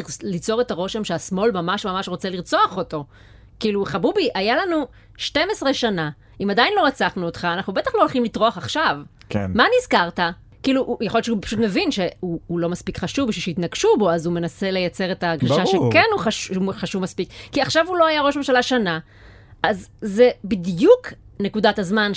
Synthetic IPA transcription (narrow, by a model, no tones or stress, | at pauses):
lit͡so̞ʁe̞taʁo̞ʃe̞mʃeasmo̞lmamaʃmamaʃʁo̞t͡se̞liʁt͡so̞aχo̞to̞ | kiːluχabubiʔajalanu | ʃte̞mesʁe̞ʃana | imadajinlo̞ʁat͡saχnuot̪χaːnaχnube̞taχlo̞ːlχimlitʁo̞aχaχʃav | kemanizkaʁta | kiːluʔjaχojot͡ʃʃeupḁʃutme̞vinʃe̞uːlo̞maspikχaʃuvbiʃiʃeitnaɡʃubo̞azume̞nase̞le̞jat͡se̞ʁe̞taɡiʃaʃekenuχaʃuχaʃuvmaspikkːiaχʃavulo̞ajaʁoʃbeʃalaʃana | ʔazːe̞bidjuk | nekud̪athazman